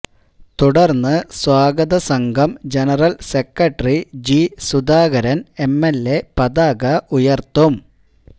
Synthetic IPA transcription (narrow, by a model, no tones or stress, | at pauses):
t̪uɽɐrnːɨswaːɡɐðɐsɐŋɡʱɐmd͡ʑenɐrɐlsekːɐʈːɐrid͡ʑisud̪aːɡɐɾɐne̞mːelːepɐd̪aːɡɐʔujɐrt̪ːum